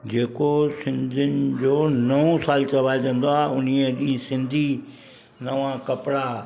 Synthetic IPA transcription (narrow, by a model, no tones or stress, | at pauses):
d͡ʑeːkosɪ̃nd̪ʱɪnɪ̆d͡ʑoːnəõsaːlt͡ʃɐʋaːd͡ʒə̃nd̪oaːʊniẽɗĩĩsɪ̃nd̪ʱi | nɐʋãkɐpɽaː